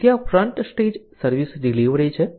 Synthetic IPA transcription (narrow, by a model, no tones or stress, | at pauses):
t̪jafɾəɳʈsʈeːd͡ʒsəɾʋisɖiliʋɾet͡ʃʰe